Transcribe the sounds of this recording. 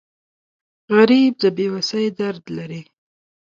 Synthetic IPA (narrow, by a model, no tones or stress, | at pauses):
ɣaɾib̚d̪əbewasəjd̪aɾd̪laɾi